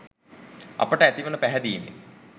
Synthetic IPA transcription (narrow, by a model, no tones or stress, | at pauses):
ɐ̰pəʈəæt̪iʋənəpæɦɛd̪iːmḛ